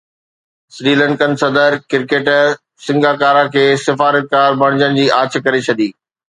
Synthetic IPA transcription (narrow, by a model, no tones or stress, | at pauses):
sɾiːlə̃ɳkənɪ̆sɐd̪əɾkɪɾkeːʈ | sɪ̃ŋɡaːkaːɾãkʰeːsɪfaːɾət̪̚kaːɾbʱɐɽ̃d͡ʑənɪ̆d͡ʑiːʔaːt͡ɕ̆kɐɾet͡ɕʰɐd̪iː